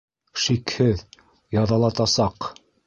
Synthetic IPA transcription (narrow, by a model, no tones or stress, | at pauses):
ʃikhɘð | jɑðɑlˠɑt̪ɑsɑq